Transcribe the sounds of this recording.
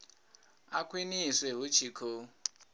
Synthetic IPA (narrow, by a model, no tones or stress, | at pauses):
akʰwinisweɦut͡ʃʰikʰo